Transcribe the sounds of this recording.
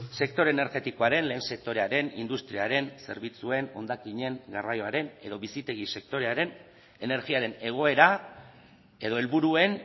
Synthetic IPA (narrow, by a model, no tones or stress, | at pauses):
se̞k̚t̪o̞ɾe̞ne̞ɾɣe̞t̪iko̞aɾe̞nle̞ːnse̞k̚t̪o̞ɾe̞aɾe̞nḭnd̪ust̪ɾiaɾe̞nse̞ɾβit͡sue̞no̞̰nd̪akiɲe̞ŋɡarajo̞aɾe̞ne̞ðo̞βisit̪e̞ɣ̞ise̞k̚t̪o̞ɾe̞aɾe̞n | e̞ne̞ɾɣiaɾe̞ne̞ɣ̞o̞e̞ɾa | e̞ðo̞e̞lβuɾue̞n